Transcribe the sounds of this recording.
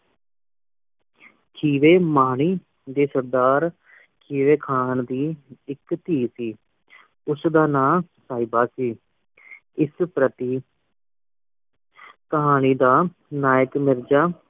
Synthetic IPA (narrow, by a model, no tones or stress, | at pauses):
kʰiːʋeːmaːɳ̃iː | d̪eːsəɾd̪aːɾ | kʰiːʋeːkʰaːnd̪iːɪkt̪iːsiː | ʊsd̪aːnaːsaːibaːsiː | ɪspɾət̪iː | kəɦaːñiːd̪aː | naːjəkmɪɾd͡ʒaː